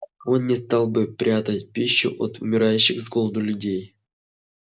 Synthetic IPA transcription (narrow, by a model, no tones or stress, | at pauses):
onːʲɪst̪ɑlˠbɨpɾʲat̪ətʲpʲiɕːṵʔo̰t̪umʲɪɾajʉɕːɪɣzɡolˠd̪ulʲudʲej